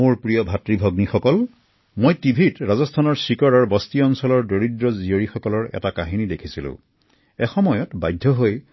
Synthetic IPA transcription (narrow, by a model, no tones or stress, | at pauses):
moɹpɹijɔbʱatɹibʱɔɡnixɔkɔl | mojtibʱitɹazɔstʰanɔɹsikɔɹɔɹbɔstiɔnsɔlɔɹdoɹidɹɔzioɹixɔkɔlɔɹɛ̰takaɦinidekʰisilʊ̰̃ | ɛxɔmɔjɔtbajdʱːɔɦoj